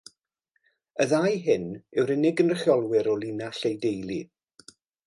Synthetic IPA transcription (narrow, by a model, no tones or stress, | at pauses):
əðajɦɪnɛwɾɪnɪɡənrəχjɔlˠwɪɾɔlˠinaɬejdejlˠi